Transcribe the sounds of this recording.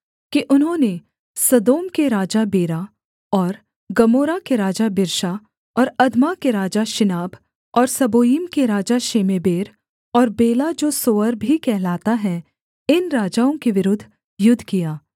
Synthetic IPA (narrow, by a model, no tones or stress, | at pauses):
kiʔʊnɦõne | sɐd̪oːmkeɾaːd͡ʒabeːɾa | ɔːɾ | ɡɐmoːɾakeɾaːd͡ʒabɪɾʃa | ɔːɾɐd̪ʱmakeɾaːd͡ʒaʃɪnaːb | ɔːɾsɐboːjimkeɾaːd͡ʒaʃeːmeːbeːɾ | ɔːɾbeːlad͡ʒoːsoːəɾbʱikɛɦlaːt̪aɦɛ̃ | ɪnɾaːd͡ʒaːõkeʋɪɾʊd̪ʱː | jʊd̪ʱːkijaː